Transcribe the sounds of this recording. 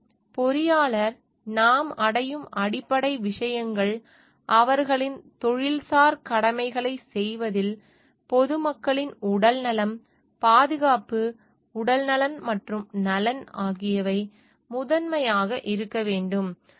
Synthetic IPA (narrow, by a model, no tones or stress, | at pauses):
pɔɾɪjaːɭɐɾ | naːmɐɽɐjɯmʔɐɽɪpːɐɽɐɪʋɪʂɐjɐŋɡɐɭ | ʔɐʋɐɾɣɐɭɪnt̪ɔɻɪlsaːɾkɐɽɐmɐɪɣɐɭɐɪsɛjʋɐðɪl | pɔðɯmɐkːɐɭɪnʊɽɐlnɐlɐm | paːðɯɣaːpɯ | ʊɽɐlnɐlɐnmɐʈrɯmnɐlɐnaːɣɪjɐʋɐɪ | mʊðɐnmɐjaːɣɐʔɪɾɯkːɐʋeːɳɖɯm